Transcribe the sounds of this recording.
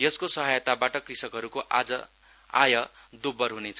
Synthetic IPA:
jʌskosʌɦajʌt̪abaʈʌkrisʌkɦʌɾukoʔad͡zʌ | a̰jʌd̪ubʌrɦunet͡sʰʌ

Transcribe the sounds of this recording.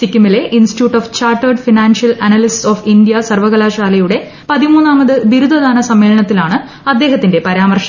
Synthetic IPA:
sikʲːimile̞ʔinsi̥ʈjuːʈːoːft͡ɕaːrʈːɐrɖfinaːnʂjɐlɐnɐlisʈsoːfindjɐsɐrʋɐɣɐlaːɕaːlɐjuɽe̞ | pɐðimuːnːaːmɐðɨbiɾud̪ʱɐðaːnɐsɐmːeːlɐɳɐt̪ːilaːɳɨ | ɐd̪ːe̞ːɦɐt̪ːinde̞pɐɾaːmɐrʂɐ

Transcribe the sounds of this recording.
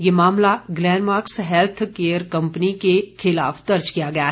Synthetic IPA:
jemaːmlaɡlɛːnmaːɾksɦɛlt̪ʰkeːəɾkɐ̃mpənikexʰɪla̰ːfd̪ɐɾd͡ʒkijaɡɐjaɦɛ

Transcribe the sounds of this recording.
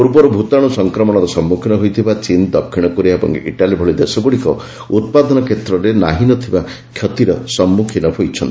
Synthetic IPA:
puɾbɔɾɔbʱut̪aɽ̃ɔsɔŋkɾɔmɔɽɔɾɔsɔmːukʰinɔɦojt̪ʰibat͡ʃind̪ɔpkʰːiɽ̃ɔkuɾiaebɔ̰ŋ̰ʔḭʈalibʱɔɭid̪esɔɡuɽikɔ | ut̪̚pad̪ɔnɔkʰet̪ɾɔɾena̰ɦinɔt̪ʰiba | kʰjɔt̪iɾɔsɔmːukʰinɔɦojt͡ʃʰɔnt̪i

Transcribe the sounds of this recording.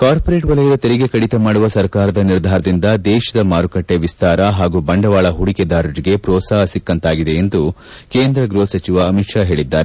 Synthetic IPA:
kaːɾpoɾe̞ːʈʋɐlɐjɐd̪ɐt̪eɾiɡe̞kɐɽit̪ɐmaːɽuʋɐsɐɾkaːɾɐd̪ɐniɾd̪ʱaːɾɐd̪ind̪ɐd̪ɛːʃɐd̪ɐmaːɾukɐʈːe̞ʋist̪aːɾɐɦaːɡubɐɳɖɐʋaːɭɐɦuɽiked̪aːɾuɾiɡe̞pɾɔːsaːɦɐsikːɐnt̪aːɡid̪e̞ːnd̪u | keːnd̪ɾɐɡɾoːsɐt͡ʃiʋɐːmikʂaːɦe̞ːɭid̪ːaːɾe

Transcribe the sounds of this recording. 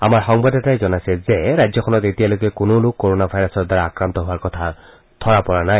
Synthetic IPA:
a̰maɹxɔŋbadɛtajzɔnajsɛzeɹajzjɔkʰɔnɔtetijalojkɛkʊnolʊkːoɹonabʱajɔsɔdaɹaakɹant̪ɔɦʊaɹkɔtʰa | tʰɔɹapɔɹanaj

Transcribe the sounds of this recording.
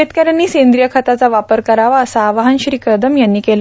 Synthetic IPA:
et̪kaɾjanːiːsend̪ɾijəkʰat̪at͡saʋapəɾkəɾaʋaəsaːʋaɦanɕɾiːkəɾd̪ʱəmjanːiːkel

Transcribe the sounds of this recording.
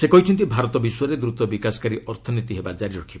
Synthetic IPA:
sekɔɦit͡ʃʰɔnt̪̬ibʱaɾɔt̪ɔbisɔɾed̪ɾut̪ɔbikasɔ̥kaɾiʔɔɾt̪ʰɔnit̪iɦebad͡ʒaɾiɾɔkʰibɔ

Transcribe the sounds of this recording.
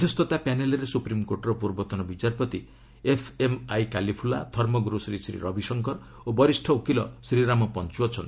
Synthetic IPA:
d̪ʱist̪ɔt̪apaneleɾesupɾimkoɾʈɔɾɔpuɾbɔt̪ɔnɔbit͡ʃaɾpɔt̪i | epʰemajkalipʰula̰d̪ʱɔɾmɔɡuɾusɾisɾḭɾɔbisɔŋkɔɾ | obɔɾisʈʰɔukilɔsɾiɾamɔpɔnt͡ʃuɔt͡ʃʰɔnt̪

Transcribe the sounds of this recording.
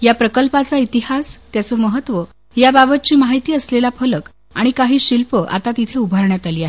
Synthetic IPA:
japɾəkəlpat͡sait̪ihast̪jat͡səːməɦət̪ʋə | jababət̪̚t͡ɕiːmaɦit̪iːəslelafʰələk | a̰ɽ̃ikaɦiːɕilpəʔa̰t̪at̪it̪ʰeubʱaɾɳjat̪aliːaɦe

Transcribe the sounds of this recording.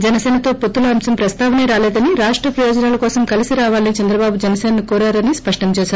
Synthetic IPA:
d͡ʒɛnɐsɛːnɐt̪o̞ːpot̪ːulɐɐmsɐmpɾɐst̪aːʋɐneɾaːlɛːd̪ɐniɾaːʂʈɾɐpɾɐjoːd͡ʒɐnaːlɐkɔːsɐmkɐlisiɾaːʋaːlɐnit͡ʃɐnd̪ɾɐbaːbud͡ʒɛnɐseːnɐnikoːɾaːɾɐnispɐʂʈɐmt͡ʃɛːʃaːɾu

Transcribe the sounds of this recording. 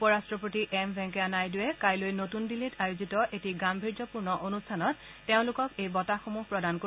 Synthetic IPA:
pɔɹastɹɔpotiʔɛmbʱɛ̃ŋkɛanajdʊwɛkajlojnotundilitajuzitɔʔetiɡambʱiɹd͡ʒɔpuɹnɔʔonustʰanɔtː | eʊ̃lʊkɔkejbɔtaxomupɹɔdanko

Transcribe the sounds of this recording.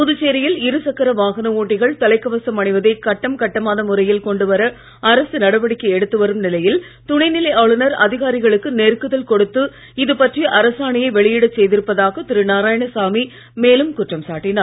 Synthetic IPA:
pʊðɯt͡ʃːeːɾɐjɪlɪɾɯsɐkːɐɾɐʋaːɣɐnɐoːʈːɪɣɐɭt̪ɐlɐɪkːɐʋɐsɐmɐɳɪʋɐðɐɪkɐʈːɐmkɐʈːɐmaːnɐmʊɾɐjɪlkɔɳɖɯʋɐɾɐ | ɐɾɐsɯnɐɽɐʋɐɽɪkːɐɛɽɯt̪ːɯʋɐɾɯmnɪlɐjɪl | t̪ʊɳɐɪnɪlɐɪaːɭɯnɐɾɐðɪɣaːɾɪɣɐɭɯkːɯneːɾkːɯðɐlkɔɽɯt̪ːɯ | ɪðɯpɐʈriʔɐɾɐsaːɳɪjɐɪʋɛɭɪjɪɽɐt͡ʃːɛjðɪɾɯpːɐðaːɣɐt̪ɪɾɯnaːɾaːjɐɳɐsaːmi | meːlɯmkʊʈrɐmsaːʈːɪnaːɾ

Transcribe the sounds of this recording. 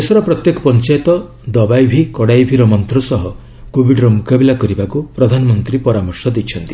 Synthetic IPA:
esɔɾɔpɾɔt̪jekɔ̥pɔnt͡ʃajt̪ɔ | d̪ɔbajbʱikɔɽajbʱiɾɔmɔnt̪ɾɔsɔɦɔ | kobʱiɖɔɾɔmukabilakɔɾibakupɾɔd̪ʱanɔmɔnt̪ɾipɔɾamɔɾsɔd̪it͡ʃʰɔnt̪i

